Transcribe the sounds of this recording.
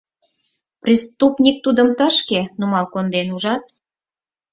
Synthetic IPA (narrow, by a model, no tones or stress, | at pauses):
prʲist̪upnʲik̚t̪ud̪əmt̪ə̆ʃkenumɑlkond̪enuʒɑt̪̚